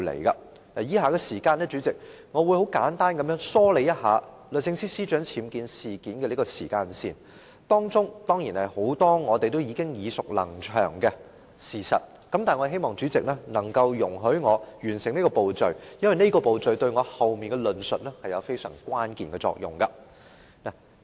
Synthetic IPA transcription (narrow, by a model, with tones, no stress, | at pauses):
lḛ˨˩jkɐ̰˧ | na˨˩jiː˥haː˨kɛ˧siː˨˩kaː˧nɛː˥t͡ʃyː˨˥t͡sɪ˨k̚ | ŋɔː˨˧wuː˨˧jho˨˥wkaː˨˥nt̪aː˥nkɐ˨˧mjœː˨˥ŋsɔː˥le˨˥jɐ˥t̚ɦa̰ː˨˧ | lɵ˨sɪ˧ŋsiː˥siː˥t͡ʃœː˨˥ŋt͡sʰiː˨˥mkiː˧nsiː˨kiː˨˥nkɛː˧li˥kɔː˧sḭː˨˩kaː˧nsiː˨n | t̪ɔː˥ŋt͡sʊ˥ŋt̪ɔː˥ŋjiː˨˩nhɐ˨jho˨˥wt̪ɔː˥ŋɔː˨˧t̪e˨jt̪̬wjiː˨˧kɪ˥ŋjiː˨˧sʊ˨k̚lɐ̰˨˩ŋt͡ʃʰœ̰ː˨˩ŋkɛ˧ | siː˨˩sɐ̰˨t̚ | kɐ˧mt̪aː˨jŋɔ˨˧˥ɦe˥jmɔː˨ŋt͡ʃyː˨˥t͡sɪ˨k̚nɛː˥nɐ˨˩ŋkɐ˧wjʊ˨˩ŋɦɵ˨˥ɥŋɔː˨˧jyː˨˩nsɪ˨ŋne˥kɔː˧po˨wt͡sɵ˨ɥjɐ˥nwɐ˨jne˥kɔː˧po˨wt͡sɵ˨ɥt̪ɵ˧ɥŋɔː˨˧hɐ˨wmiː˨nkɛ˧lɵ˨nsɵ˨t̚lɛ˥hɐ˨jɐ˨˧wfe˥jsœ̰ː˨˩ŋkʷaː˥nkiː˨nkɛ˧t͡sɔ̰ː˧k̚jʊ̰˨ŋkɐ˧ | naː˨˩